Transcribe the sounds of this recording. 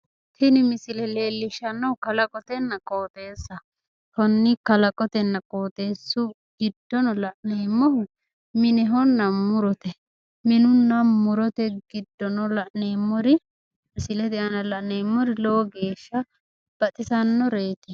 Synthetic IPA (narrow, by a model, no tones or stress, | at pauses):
t̪ɪnɪmɪsɪlɛleːlːɪʃɐnːɔʊkɐlɐkʼɔt̪ɛnːɐkʼoːt̪e̞ːsːɐ | tɔnːɪkɐlɐkʼɔt̪ɛnːɐkʼo̞ːt̪e̞ːsːʊ | ɡ̥ɪd̪ːɔnɔlɐʔneːmːɔhʊ | mɪnɛɦɔnːɐmʊɾɔt̪ɛ | mɪnʊnːɐmʊɾɔt̪ɛɡɪd̪ːɔnɔlɐʔneːmːɔɾɪ | mɪsɪlɛd̪ɛʔɐnɐlɐʔneːmːɔɾɪlɔwɡe̞ːʃːɐ | b̥ɐt̪ʼɪsɐnːɔɾeːt̪ɪ